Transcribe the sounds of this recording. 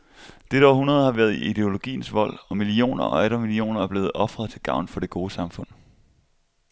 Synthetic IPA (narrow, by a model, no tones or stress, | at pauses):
d̥e̝ɾɒʊ̰hunɐð̞ˠhɑ̈ʋæːɐðˠiid̥e̝o̝lo̝ɡ̥ḭːn̩sʋɒ̽l̰ɒ̽milio̝̰ːnɐɒ̽æɾɐmilio̝̰ːnɐæɐb̥le̝ːð̩ˠɒ̽fʁɐðˠt͡sʰe̝lɡ̥ɑ̈ʊ̰nfɒ̽ɾ̥e̝ɡ̥o̝ːəsɑ̈mfɔ̽n̰